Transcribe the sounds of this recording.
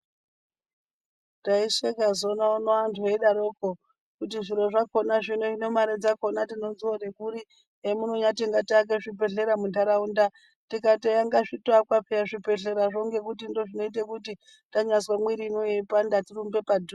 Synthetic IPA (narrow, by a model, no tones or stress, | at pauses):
taiʂekazo̞naonoantʰueɗaɾoko | kutiʐiɾoʐako̞naʐino̞ino̞maɾed͡zakonatino̞nziorekuɾi | emunoɲatiŋɡatak̬eʐip̬e̞ɮe̞ɾamundaɾaunda | tikatejaŋɡaʐitoakwapejaʐipe̞ɮe̞ɾaʐo̞ŋɡe̞kutindo̞ʐino̞it̬ekuti | taɲaswamwiɾinoepandatirumbe̞padʱu